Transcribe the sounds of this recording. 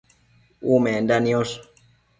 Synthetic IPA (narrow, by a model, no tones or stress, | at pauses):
umendanios